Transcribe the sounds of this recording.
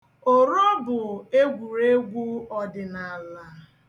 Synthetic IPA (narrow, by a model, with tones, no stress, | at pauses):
o˦ɾɔ˦bʊ˨e˦ɡʷu˨ɾe˦ɡʷu˦ɔ˨dɪ˨na˨a˨la˦